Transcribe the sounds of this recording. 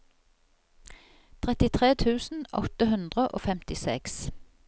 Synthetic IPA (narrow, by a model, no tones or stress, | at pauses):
t̪ʰʁɛt̪ɪt̪ʰʁeːt̪ʰʉːsn̩ɔt̪əhʉnd̪ʁəʔo̰ːfɛmt̪ɪsɛks